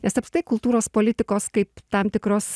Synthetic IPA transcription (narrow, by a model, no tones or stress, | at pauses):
nʲɛst̪ɐpsʲkɪt̪ɐɪkʊlˠt̪uːɾoːspoːlʲɪt̪ʲɪkoːskɐɪpt̪ɐmt̪ʲɪkɾoːs